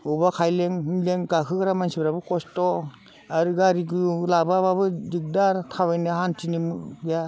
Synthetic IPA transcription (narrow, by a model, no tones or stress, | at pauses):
ubakʰajleŋɦɯnleŋɡakʰɯɡaɾamansibɾabɯkɔstɔ | aɾɯɡaɾiɡɯlabababɯdik̚daɾtʰawajnɯɦantʰinimɯja